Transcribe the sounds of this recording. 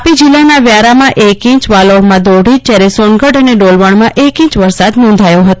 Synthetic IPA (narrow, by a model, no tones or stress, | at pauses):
pid͡ʒilːanaʋjaɾamãʔekĩt͡ʃʋalomãd̪oɽid͡ʒd͡ʒjaɾɛsonɡəɖəneɖolʋəɳmãʔekĩt͡ʃʋəɾsad̪nɔ̃nd̪ʱajoɦət̪o